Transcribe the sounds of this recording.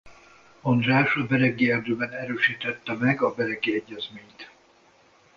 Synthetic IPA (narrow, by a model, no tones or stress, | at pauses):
ond̪raːʃɒbɛɾɛɡːiɛld̪øːbɛnɛɾøːʃiːt̪ɛt̪ːɛmɛɡɒbɛɾɛɡiɛɟːɛzmeːɲt̪